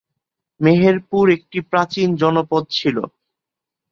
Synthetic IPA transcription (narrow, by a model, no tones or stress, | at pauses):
meɦeɾpuɾek̚ʈipɾat͡ɕind͡ʑɔnopod̪̚t͡ɕʰilo̰